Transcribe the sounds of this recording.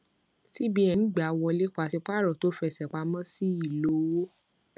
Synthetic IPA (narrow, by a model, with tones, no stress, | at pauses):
ti˦bi˦ɛ˧nĩ˦ɡ͡ba˨wɔ̃˧le˦k͡pa˧si˧k͡pa˦˨ɾɔ˨to˦fɛ˧˨sɛ˨k͡pa˧mɔ̃˦si˦i˦˨lo˨˦˧wo˦